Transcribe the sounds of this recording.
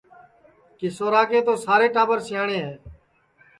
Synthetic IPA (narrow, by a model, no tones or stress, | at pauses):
kɪsoːɾaːkẽːt̪oːsaːɾeːʈaːbəɾsɪjãːɳẽːɦɛː